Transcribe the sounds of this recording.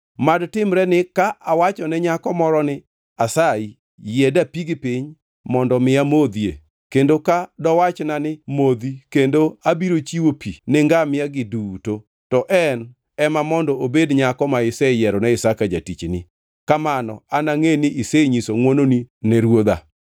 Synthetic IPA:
madtɪmɾɛnɪkaʔawat͡ʃɔnɛɲakɔmɔɾɔnɪ | asai | jɛdapiɡɪpiɲ | mɔndɔmɪamod̪iḛ | kendokadɔwat͡ʃnanɪmod̪ikendoabiɾot͡ʃiwopʰinɛŋɡamɪjaɡɪduto | tɔʔɛn | ɛmamɔndɔobedɲakɔmaɪsɛjɛɾɔnɛɪsakad͡ʒatit͡ʃnɪ̰ | kamanɔ̰anaŋenɪʔiseɲisoŋwononinɛɾwod̪a̰

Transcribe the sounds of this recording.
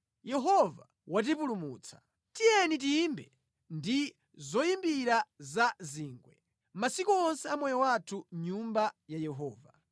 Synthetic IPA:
jɛɦɔva | wat̬ipulumuːt͡sʰḁ | tijɛnit̬iːmbɛ | ndi | zɔjimbiɾazaziːŋɡwɛ̰ | masikuɔnsɛamwɛjɔwatʰuɲumbajajɛɦɔːva

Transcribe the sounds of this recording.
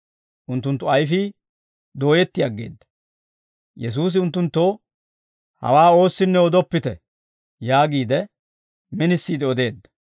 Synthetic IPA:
ʔʊnt̪ːʊnt̪ːʊɐjfɪ | d̪o̞ːjɛt̪ːɪjɐɡːe̞̰ːd̪ːɐ̥ | jɛs̬uːs̬ɪʊnt̪ːʊnt̪ːo | hɐ̰waːo̞ːsːɪnːɛɔd̪ɔpːɪt̪ɛ | jaːɡiːd̪ɛ | mɛnɪsːiːd̪ɛɔd̪e̞ːd̪ːɐ̥

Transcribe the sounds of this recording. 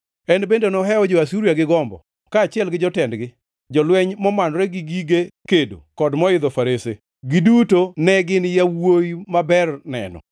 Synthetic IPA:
ɛnbendonɔɦɛɔd͡ʒɔasuɾiaɡɪɡɔmbɔ̰ | kaːt͡ʃɪɛlɡɪd͡ʒɔtɛndɡɪ | d͡ʒɔlwɛɲmɔmanɾɛɡɪɡiɡekedo̰kɔdmɔɪd̪ɔfaɾese | ɡɪdutonɛɡɪnɪjawojimabɛrnɛ̰nɔ̰

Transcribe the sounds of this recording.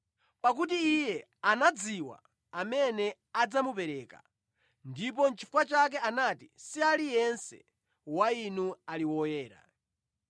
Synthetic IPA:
pak̬utiːjɛ | anad͡ziwa̰ | amɛnɛ | ad͡zamupɛɾɛːka̰ | ndip̬ɔnt͡ʃʰi̥fukwat͡ʃak̬ɛanatisialijɛnsɛ̰ | wainualiwɔjɛːɾa̰

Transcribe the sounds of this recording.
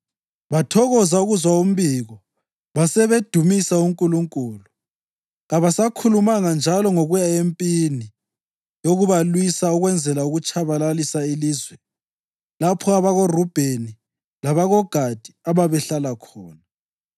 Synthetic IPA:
βatʰɔɣɔzauɣuzwaum̩biɣɔ | βasɛβed̥ʱumisauŋkʼuluŋkʼuːlu | ɣaβasakʰulumaŋand͡ʒʱalɔŋoɣujaempʼini | joɣuβalwisauɣwɛnd͡zʱɛlauɣut͡ʃʼaβalalisailiːzwɛ | lapʰɔaβaɣorub̥ʱeni | laβaɣɔɡ̥ʱad̥ʱiaβaβɛɬalakʰɔːna

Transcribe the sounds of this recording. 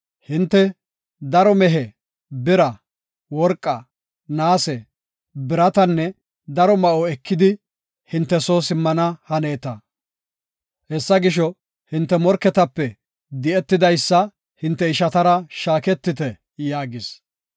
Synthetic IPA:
hɪnt̪ːɛ | d̪ɐɾɔmɛɦɛ | bɪɾɐ | wɔɾkʼːɐ | naːsɛ | bɪɾɐt̪ɐnːɛ | d̪ɐɾɔmɐʔɔɛkːɪd̪ɪ | hɪnt̪ːɛsoːsɪmːɐnɐhɐneːt̪ɐ | hɛsːɐɡɪʃɔ | hɪnt̪ːɛmɔɾkɛt̪ɐpːɛ | d̪ɪʔɛt̪ːɪd̪ɐjsːɐ | hɪnt̪ːɛɪʃɐt̪ɐɾɐʃaːkɛt̪ːɪt̪ɛ | jaːɡɪs

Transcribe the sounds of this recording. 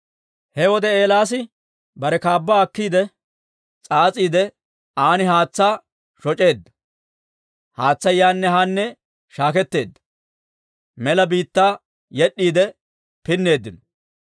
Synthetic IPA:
hɛwɔd̪ɛeːlaːs̬ɪ | bɐɾɛkaːbːaːɐkːiːd̪ɛ | t͡sʼaːt͡sʼiːd̪ɛ | aːnɪɦaːt͡sːaː | ʃɔt͡ʃʼe̞ːd̪ːɐ̥ | haːt͡sːɐjaːnːɛɦanːɛ | ʃaːkɛt̪ːe̞ːd̪ːɐ̥ | mɛlɐbiːt̪ːaː | jɛɗːiːd̪ɛ | pɪnːe̞ːd̪ːɪnɔ

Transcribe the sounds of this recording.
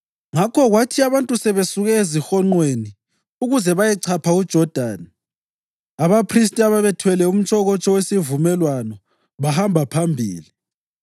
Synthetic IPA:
ŋakʰɔɣwatʰiaβantʼusɛβesuɣɛezixɔŋ͡ǃweni | uɣuzɛβajɛǀʰapʰaud̥ʒ̥ʱɔd̥ʱaːni | aβapʰris̬tʼiaβaβɛtʰwɛlɛum̩t͡ʃʼʰɔɣɔt͡ʃʼɔwesivumɛlwanɔ | βahambʱapʰambʱḭːli

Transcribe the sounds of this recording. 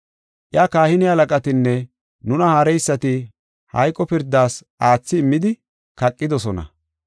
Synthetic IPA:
ʔjaːkaːhɪnɪhɐlɐkʼɐt̪ɪnːɛ | nʊnɐhaːɾɛjsːɐt̪ɪ | hɐ̰jkʼːɔpɪɾd̪ːaːsʔaːt͡sːɪːmːɪd̪ɪ | kɐkʼːɪd̪ɔsɔnɐ̰

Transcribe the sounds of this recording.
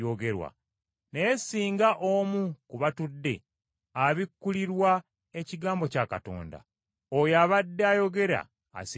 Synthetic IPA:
oɡe̞ɾwa̰ | neːsiːŋɡaʔoːmukuβatudːe̞̰ | aβikːuliɾwa | e̞ciɡaːmbo̞caːkato̞̰ːnda̰ | ojaβadːeajo̞ɡe̞ɾa̰ː | s

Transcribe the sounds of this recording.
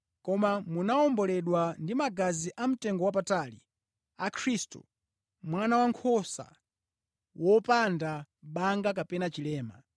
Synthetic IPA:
kɔmamunaɔmbɔlɛɗwandimaɡaziʔam̩tɛŋɡɔwap̬atalḭ | akʰɾistṵ | mwanawaŋkʰɔsa̰ | wʔɔpanda | ɓaŋɡak̬apɛnat͡ʃilɛːma̰

